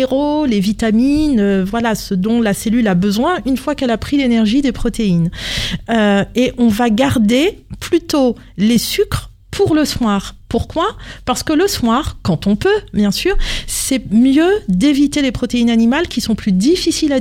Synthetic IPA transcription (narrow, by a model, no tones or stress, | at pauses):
eʁolevit̪aminøvwalasəd̪ɔ̃laselylabəzwɛ̃ynfwakɛlapχilenɛʁʒid̪epχɔt̪einøeʔɔ̃vaɡaʁd̪eplyt̪o | lesykχ | pʰuʁləswaːʁpuʁkwapaʁsə̥kələswaʁkɑ̃t̪ɔ̃pøbjɛ̃syːʁsɛmjød̪evit̪elepχɔt̪einanimalkʲisɔ̃plyd̪ifisila